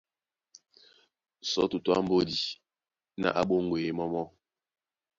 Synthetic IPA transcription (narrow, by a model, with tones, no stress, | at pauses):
sɔ̰˨˦tu˨twa̰˦m̩˦bo˦di˨ | na̰˦˨ʔa˦ɓo˦ŋɡwe˨e˦mɔ˦mɔ˦